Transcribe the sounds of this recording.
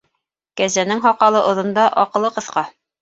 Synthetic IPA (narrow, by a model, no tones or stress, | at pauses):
kæzænɘŋɦɑqɑlˠɤʔŏðɤ̆nd̪ɑʔɒqɤ̆lˠːɤqɤ̆θqɑ